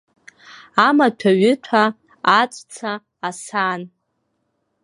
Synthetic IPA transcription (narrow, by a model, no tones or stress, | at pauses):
amatʷʰaɥʏtʷʰaː | t͡sʷʼt͡sʰaː | san